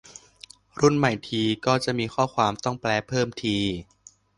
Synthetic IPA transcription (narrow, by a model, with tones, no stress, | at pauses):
ɾu˥˩nma˨˩jt̪ʰiː˧kɔː˥˩t͡ɕa˨˩ʔmiː˧xʰɔː˥˩kʰwaː˧mt̪ɔ˥˩ŋplɛː˧pʰɤː˥˩mt̪ʰiː˧